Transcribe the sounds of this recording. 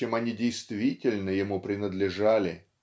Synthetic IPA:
emɐnʲidʲejst̪vʲitʲɪlʲnəjɪmupɾʲɪnəd̪lʲɪʐalʲɪ

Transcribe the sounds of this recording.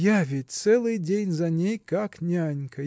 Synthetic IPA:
javʲet̚ʲt̪sɛlˠɨjdʲenʲzɐnʲejkaknʲanʲkɐ

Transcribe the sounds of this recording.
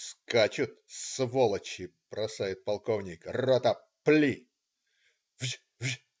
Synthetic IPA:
skat͡ɕʊt̪̚svolˠət͡ɕɪb̥ɾɐsajɪt̪̚pɐlˠkovnʲɪkrot̪ə | plʲi | vzʲ | vʒ

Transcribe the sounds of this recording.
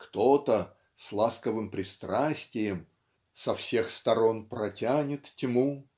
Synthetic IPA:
kt̪o̞t̪ə | slˠaskəvɨmpɾʲɪst̪ɾasʲtʲɪjəm | sɐfsʲe̞xst̪ɐɾo̞npɾɐtʲanʲɪt̪tʲɪmu

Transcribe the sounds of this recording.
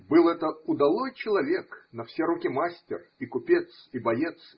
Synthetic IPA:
bɨlˠɛt̪əʊd̪ɐlˠojt͡ɕɪlˠɐvʲeknɐfsʲeɾukʲimasʲtʲɪ̰rikʊpʲet̪sibɐjet̪s

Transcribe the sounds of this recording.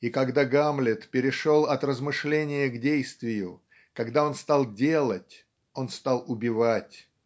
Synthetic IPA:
ikɐɡd̪aɡamlʲɪt̪pʲɪɾʲɪʂo̞lˠɐt̪rəzmɨʂlʲenʲɪjəɡdʲejst̪vʲɪjʊ | kɐɡd̪ao̞nst̪alˠdʲe̞lˠətʲ | o̞nst̪alˠʊbʲɪvatʲ

